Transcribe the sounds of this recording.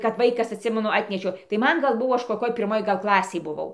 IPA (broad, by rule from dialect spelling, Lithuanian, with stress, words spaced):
kɐp ˈʋɐɪkɐs ɐtʲˈsʲɪmʲɛnʊ ˈɑːtʲnʲɛʃʲɛʊ tɐɪ ˈmɐn ˈɡɐlˠ ˈbʊʋoː ˈɐʃ koːˈkʲoːj pʲɪrˈmoːj ˈɡɐlˠ ˈklˠɑːsʲeːj bʊˈʋɐʊ ˈklˠɑːsʲeːj bʊˈʋɐʊ